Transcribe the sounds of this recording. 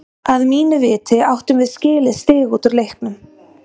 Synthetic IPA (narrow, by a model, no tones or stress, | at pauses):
aðmiːnʏvɪːt̪ɪawht̪ʏmvɪðscɪːlɪðst̪ɪːɣuːt̪ʏɾlejhknʏm